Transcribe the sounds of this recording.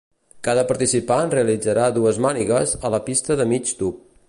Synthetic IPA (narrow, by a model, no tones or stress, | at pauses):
kaðəpəɾt̪isipanreəlid͡zəɾaðuəzmaniɣəzələpist̪əðəmid͡ʒt̪up̚